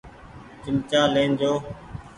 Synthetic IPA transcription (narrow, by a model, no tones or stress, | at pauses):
t͡ʃɪmt͡ʃaːlẽːnd͡ʒoː